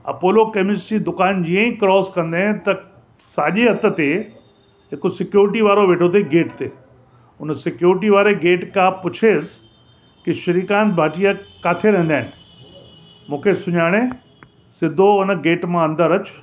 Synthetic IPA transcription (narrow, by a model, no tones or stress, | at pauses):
ɐ̰poːlokemɪsʈiːd̪ʊkaːnd͡ʑiːə̃ĩkɾɔːskɐ̃nd̪aːɪ̃nt̪ɐ | saːʄeɦɐt̪ə̆t̪e | ɦɪkosɪkjuːɾɪʈiʋaːɾoʋeːʈʰot̪̬eɡeːʈt̪eː | ʊnsɪkjuːɾʈiʋaːɾeɡeːʈkãpʊt͡ɕʰeːs | kɪʃɐɾiːkaːnbʱaːʈijakaːt̪ʰeɾɛ̃ɦnd̪aːɦɪnɪ̆ | mũːkʰesʊɲaːɽ̃e | sɪd̪ʱoʊnɡeːʈmãɐ̃nd̪əɾɐt͡ɕʊ̥